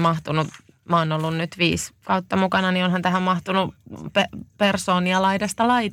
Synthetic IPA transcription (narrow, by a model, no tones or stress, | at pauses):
mɑht̪unu | mɑonolːunnyt̪ʋiːskɑut̪ːɑmukɑnɑnionhɑnt̪æhæmmɑht̪unupepersoːniɑlɑidɑst̪ɑlɑit̪